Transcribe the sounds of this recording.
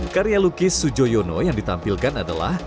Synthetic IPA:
kaɾialukɪsud͡ʒojonɔ̰jaŋdit̪ampilkanada̰la̰h

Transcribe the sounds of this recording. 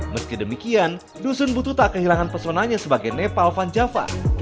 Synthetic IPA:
məskidəmikian | dusʊnbut̪ut̪akəɦilaŋanpərsonaɲasəbaɡajnepalfand͡ʒafa̰

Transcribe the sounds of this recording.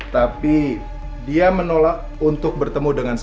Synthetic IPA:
t̪api | diamənolak | unt̪ʊk̚bərt̪əmudəŋans

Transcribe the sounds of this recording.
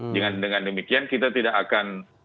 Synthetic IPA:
d͡ʒəŋandəŋandəmikiankit̪at̪idakakan

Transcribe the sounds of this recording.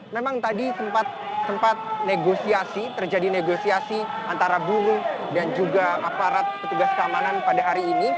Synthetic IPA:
memaŋt̪adisəmpat̪̚ | səmpat̪̚neɡosiasit̪ərd͡ʒadineɡosiasiant̪aɾabuɾudand͡ʒuɡaapaɾat̪̚kət̪uɡaskəamananpadaɦaɾiːni

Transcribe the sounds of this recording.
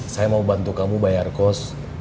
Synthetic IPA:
sajamaubant̪ukamubajarkɔs

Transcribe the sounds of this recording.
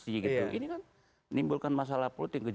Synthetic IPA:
siɡit̪uʔḭnikan | nimbulkanmas̬alahpulʊt̪jaŋkəd͡ʒ

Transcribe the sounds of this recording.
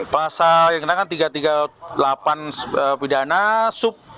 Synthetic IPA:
pəlasajaŋkənakant̪iɡat̪iɡalapanəpidanasʊp̚

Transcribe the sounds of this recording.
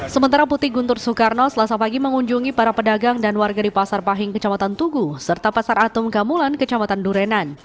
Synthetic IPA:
səmənt̪aɾaput̪ɪhɡunt̪ʊrsukarnɔsəlasapaɡiməŋuɲd͡ʒuŋipaɾapədaɡaŋdanwarɡadipasarpaɦɪŋkət͡ʃamat̪ant̪uɡusərt̪apasaɾat̪ʊmkamulankət͡ʃamat̪anduɾɛnan

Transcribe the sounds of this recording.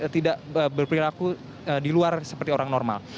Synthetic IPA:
t̪idaʔəbərpɾilaku | ədiluarsə̥pərt̪ioɾaŋnɔrma̰l

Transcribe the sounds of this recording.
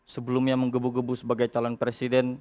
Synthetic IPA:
səbəlumɲaməŋɡəbuɡəbusəbaɡajt͡ʃalɔnpɾesidɛn

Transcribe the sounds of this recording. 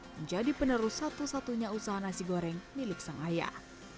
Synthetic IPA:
əɲd͡ʒadipənəɾusat̪usat̪uɲausaɦanasiɡoɾɛŋdiluk̚saŋaja̰

